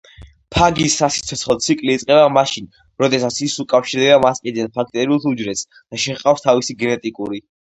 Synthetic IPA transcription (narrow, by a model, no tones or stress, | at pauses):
pʰaɡisːasi̥t̪sʰɔt̪sχɔt̪sʰikʼliːt̪sʼqʼɛbamaʃin | ɾɔd̪ɛsat̪sʰisukʼafʃiɾd̪ɛbamasqʼid̪ɛnpʰakʰt̪ʼɛɾiut̪ʰud͡ʒɾɛt̪s | d̪̥aʃɛqʼafst̪ʰavisiɡɛnɛt̪ʼikʼuɾi